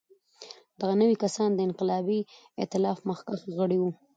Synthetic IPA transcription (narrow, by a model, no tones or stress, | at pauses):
d̪̥aɣanəwikasɑnd̪əɪnqɪlɑbi | ɪ̰t̪ɪlɑfməxkaxɣəɽiwu